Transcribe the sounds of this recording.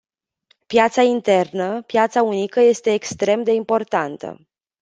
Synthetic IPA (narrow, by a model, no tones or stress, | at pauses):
pjat̪saint̪e̞rnəpjat̪saunikəje̞st̪e̞ːkst̪ɾe̞md̪e̞impo̞rt̪ant̪ə̰